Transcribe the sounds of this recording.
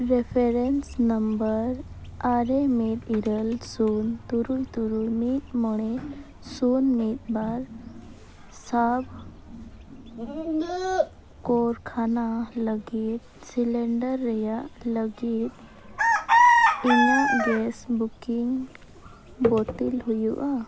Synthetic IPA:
ɾefeɾensnəmbəɾ | aɾemiɾiɾəlsunt̪uɾult̪uɾulmiːt̪muɽ̃e | sunmiːt̪̚baɾ | sab | koɾkʰanaləɡit̪̚sileɳɖəɾːɛjaʔləɡit̪ | inuɡesbukiŋɡ | bot̪ilɦujuʔa

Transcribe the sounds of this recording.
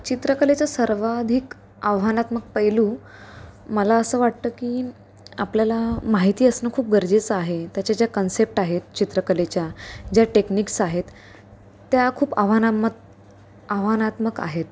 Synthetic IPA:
t͡ɕit̪ɾəkəlet͡ɕjasəɾʋad̪ʱik | aʋanat̪mək̚pəjluː | məlaəsəːʋaʈt̪əːkiː | apljalamaɦit̪iːəsnəkʰuːp̚ɡəɾd͡ʑet͡səaɦet̪jat͡ɕad͡ʑjakənsep̚ʈaɦet̪̚t͡ɕit̪ɾəkəlet͡ɕjad͡ʑjaʈekniksaɦet̪ː | jakʰuːpa̰ʋ̤anamə | aʋ̤anat̪məka̰ɦet̪

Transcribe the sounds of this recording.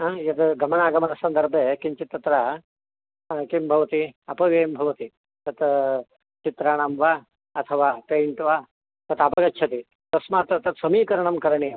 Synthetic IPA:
aːɐt̪ɡɐmɐnaːɡɐmɐnɐsɐnd̪ɐɾbʱeːkimt͡ʃit̪ːɐt̪ɾɐ | kimbʱɐʋɐt̪iɐpɐʋeːmbʱɐʋɐt̪i | t̪ɐt̪ | t͡ʃit̪ɾaːɳaːmʋaː | ɐt̪ʰɐʋaːpeːɳʈʋaː | t̪ɐt̪apɐɡɐtːt͡ʃʰɐt̪i | t̪ɐsmaːt̪ɐt̪ɐt̪sɐmiːkɐɾɐɳɐmkɐɾɐɳi

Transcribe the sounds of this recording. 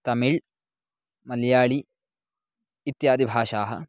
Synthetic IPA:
t̪ɐmiɭ | mɐljaːɭi | t̪jaːd̪ibʱaːʃaːɦɐ̰

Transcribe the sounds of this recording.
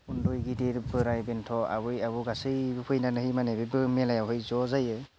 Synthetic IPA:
undɔjɡidiɾbɯɾajbɛntʰɔa̰bɯjabuɡasɯjbɯpʰɯjnanɯhimaneɾɯbɯmɛlajawɦɯjzɔzajɯ

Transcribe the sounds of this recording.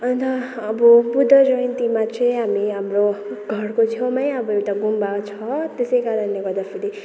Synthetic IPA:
ʌnt̪ʌːbʌbud̪ʱːʌd͡zʌjʌnt̪imat͡sʰeɦamiɦamroɡʱʌrkot͡sʰjʌmʌjʌbʌewt̪aɡumbat͡sʰʌt̪esejkaɾʌnːeɡʌɾd̪apʰiɽi

